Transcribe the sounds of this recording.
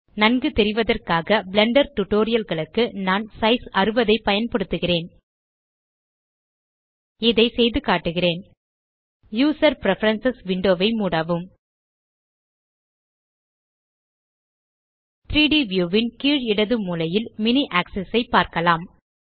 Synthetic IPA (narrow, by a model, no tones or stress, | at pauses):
nɐnɡɯt̪ɛɾɪʋɐðɐrkaːɣɐblɛɳɖɐɾʈʊʈːoːɾɪjɐlɣɐɭɯkːɯnaːnsɐɪsɐrɯʋɐðɐɪpːɐjɐnpɐɽɯt̪ːɯɣɪreːn | ɪðɐɪsɛjðɯkaːʈːɯɣɪreːn | juːsɐɾpɾɛfɐɾɐnsɐsʋɪɳɖoːʋɐɪmuːɽaːʋɯm | t̪ɾiːɖiʋjuːʋɪnkiːɻɪɽɐðɯmuːlɐjɪlmɪniʔaːksɛsɐɪpːaːɾkɐlaːm